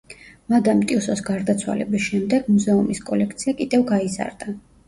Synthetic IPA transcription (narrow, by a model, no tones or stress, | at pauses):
mad̪amt̪ʼiusɔsɡaɾd̪at̪sʰwa̰lɛ̰bisʃɛmd̪ɛɡmuzɛumiskʼɔlɛkʰt̪sʰiakʼid̪ɛvɡaiza̰ɾd̪a